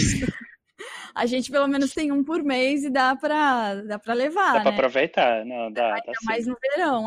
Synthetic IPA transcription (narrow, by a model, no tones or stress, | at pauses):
sʊ | a̰ʒẽnt͡ʃɪ̥pelomẽnʊst̪ẽj̃ũpoɾmejzɪd̪apɾɐd̪apɾɐlevaanpɾaɛpɾovejt̪anɐ̃w̃d̪at̪aɐmajznʊveɾɐ̃w̃